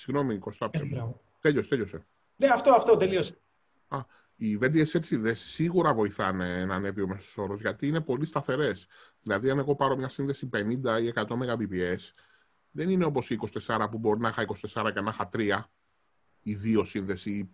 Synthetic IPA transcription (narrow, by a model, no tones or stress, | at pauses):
siɣno̞mikost̪ɐpt̪e | t̪eʎost̪eʎose̞ | neɐft̪oɐft̪ot̪elios | ɐ | ive̞d̪ieset̪sinðesi̥siɣuɾɐvo̞iθɐne̞nɐne̞vio̞me̞soso̞ɾozʝɐt̪iːne̞po̞list̪ɐθe̞ɾe̞sðilɐðiɐne̞ɣo̞pɐɾo̞mɲɐsinðe̞sipe̞nind̪ɐie̞kɐt̪o̞meɣɐbipie̞s | ðe̞nine̞o̞po̞siːkosi̥t̪e̞sɐɾɐpubo̞ɾinɐexɐikosi̥t̪e̞sɐɾɐcenɐxɐt̪ɾiɐ | iðio̞sinðe̞si